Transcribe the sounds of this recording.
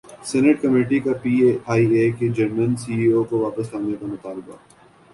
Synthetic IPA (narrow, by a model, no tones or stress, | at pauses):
sɛːneʈkɐmeːʈikapiːeaːieːked͡ʒɐɾmənsiːiːokoʋaːpəslaːnekamʊt̪aːlɪba̰